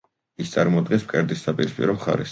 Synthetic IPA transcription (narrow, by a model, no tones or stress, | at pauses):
ist̪sʼaɾmɔd̪ɡɛnsp̚kʼɛɾd̪issapʼiɾispʼḭɾɔmχa̰ɾɛs